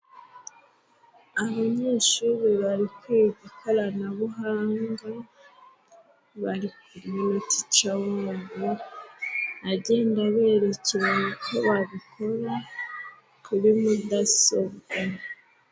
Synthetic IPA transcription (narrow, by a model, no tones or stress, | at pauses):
aβaɲeːʃuβeβaɾikweɡukʰo̞ɾanaβuɦaːŋɡa | βaɾikuɾiβonoci̥t͡ʃawaaβo | aɟe̞ːndaβeːɾe̞ceɾakoβaβikʰo̞ɾa | kuβimud̪asoβɡa